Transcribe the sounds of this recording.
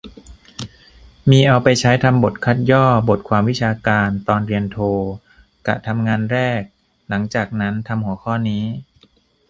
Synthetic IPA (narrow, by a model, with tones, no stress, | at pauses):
miː˧ʔa˧wpa˧jt͡ɕʰa˦˥jt̪ʰa˧mbo˨˩t̪̚kʰa˦˥t̪̚jɔː˥˩bo˨˩t̪̚kʰwaː˧mwi˦˥t͡ɕʰaː˧kaː˧nt̪ɔː˧nɾi˧ənt̪ʰoː˧ | ka̰˨˩t̪ʰa˧mŋaː˧nɾɛː˥˩k̚ | la˩˦ŋt͡ɕaː˨˩k̚na˦˥nt̪ʰa˧mhu˩˦ɐkʰɔː˥˩niː˦˥